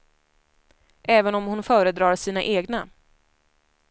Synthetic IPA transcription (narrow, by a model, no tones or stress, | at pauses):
ʔɛːvənɔmhʊnfœːɾəd̪ɾɑːɾʂiːna̰ʔeːɡna